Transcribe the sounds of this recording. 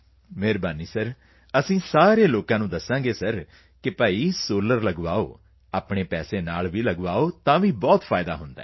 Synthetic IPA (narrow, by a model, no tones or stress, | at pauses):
meːɾbaːniːsəɾ | əsĩːsaːɾeːloːkãːnũːd̪əsãːɡeːsəɾ | kɪpəːiːsoːləɾləɡʋaːo̰ː | aːpɳeːpɛːseːnaːlʋiːləɡʋaːoːt̪ãːʋiːbɔːt̪pʰaːɪd̪a̰ːɦʊnd̪a̰ː